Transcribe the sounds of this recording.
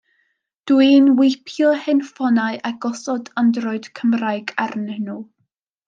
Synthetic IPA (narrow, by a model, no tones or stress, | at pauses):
d̥winwɪpʰjɔhɛnfɔnaɨʔaɡɔsɔdandrɔɨd̥kʰəmrajɡarnɪnu